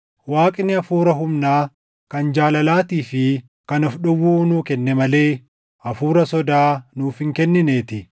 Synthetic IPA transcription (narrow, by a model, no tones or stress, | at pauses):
waːkʼɪnːɪɐfuːɾɐɦʊmnaː | kɐnd͡ʒaːlɐlaːt̪iːfɪ | kɐnɔfɗʊwːuːnuːkɛnːɛmɐle̞ː | ʔɐfuːɾɐsɔd̪aːnuːfɪŋkɛnːɪne̞ːt̪ɪ